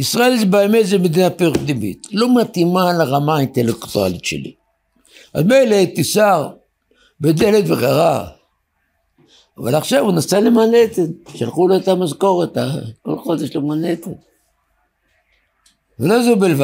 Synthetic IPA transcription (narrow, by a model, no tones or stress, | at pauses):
isʁaelzbaemezemed̪inapeʁukd̪imḭt̪lo̞mat̪imalaʁamaint̪elekt̪ua̰lit̪ʃḛlḭ | ʔa̰zmejlet̪isaʁ | bed̪elet̪veχeʁa | ava̰laχʃavunasalemanet̪enʃalχuloet̪amazko̞ʁet̪a̰ko̰lχod̪eʃlemanet̪en | velozobelva